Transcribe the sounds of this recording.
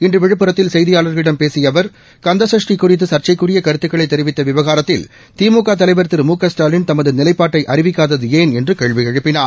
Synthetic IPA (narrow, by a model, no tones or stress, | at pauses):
ɪndrɯʋɛɻɯpːɯɾɐt̪ːɪlsɛjðɪjaːlɐɾɣɐɭɪɽɐmpeːsɪjɐʋɐɾ | kɐnd̪ɐsɐʂʈɪkːʊrɪt̪ːɯsɐrt͡ʃɐɪkːɯrɪjɐkɐɾɯt̪ːɯkːɐɭɐɪt̪ːɛɾɪʋɪt̪ːɐʋɪʋɐɣaːɾɐt̪ːɪl | t̪iːmuːkaːt̪̬ɐlɐɪʋɐɾt̪ːɯɾmuːkɐsʈaːlɪnt̪ɐmɐðɯnɪlɐɪpːaːʈːɐɪʔɐɾɪʋɪkːaːðɐðɯeːnɛndrɯkeːɻʋɪɛɻɯpːɪnaːɾ